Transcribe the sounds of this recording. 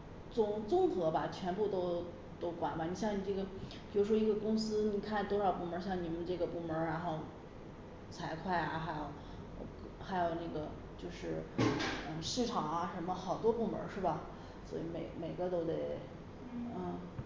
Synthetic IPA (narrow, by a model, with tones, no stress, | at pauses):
t͡sʊ˥ŋt͡sʊ˥˧ŋt͡sɤ˧˥ba˧t͡ɕʰɥɛ˧˥npu˥˧t̪o˥ʊ | t̪o˥ʊkwa̰˨˩˦nba˩ni˨˩ɕjɑ˥˩ŋni˨˩ʈ͡ʂɤ˥˩ɡə˩pi˨˩ɻu˧˥ʂ̬wɔ˥i˧˥ɡə˧kʊ˥ŋsɹ̩˥ni˨˩kʰa˥˩nt̪wɔ˥ʂɑ˨˩ʊpu˥˩mə˧˥ɕjɑ˥˩ŋni˨˩mə˦nʈ͡ʂɤ˥˩ɡə˩pu˥˩mə˧˥ɻa˧˥nxo˥˧ʊ | t͡sʰa˧˥ɪkʰwa˥˩ɪja̰˩xa˧˥ɪjo˨˩ʊ˧˩ | ʊ˥xa˧˥ɪjo˨˩ʊna˥˩ɡə˩ | t͡ɕjo˥˧ʊʂɻ̩˥˩˥ | ʂɻ̩˥˩ʈ͡ʂʰɑ˨˩˦ŋa˧ʂə˧˥nmə˧xɑ˨˩ʊt̪wɔ˥pu˥˩mə̰˧˥ʂɻ̩˥˩bɐ˩ | swɔ̰˧˥ḭ˧˥me˨˩ɪme˨˩ɪɡə˧˦t̪o˥ʊt̪e˥˩ɪ | n̩˥˩